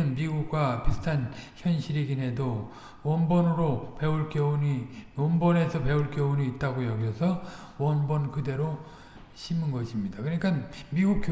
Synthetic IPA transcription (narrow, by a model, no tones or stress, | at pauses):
ɯnmiɡuk̚k͈wapisɯ̥tʰançjʌnɕʰiɾiɡinɦe̞do | wʌnbʌnɯɾope̞uɭk͈jeoniwʌnbʌne̞sʰʌpe̞uɭk͈jʌoniːt̚t͈aɡojʌɡjʌsʰʌ | wʌnbʌnkɯde̞ɾo | ɕʰimɯnɡʌɕʰimɲidakɯʌɲik͈anmiɡuk̚k͈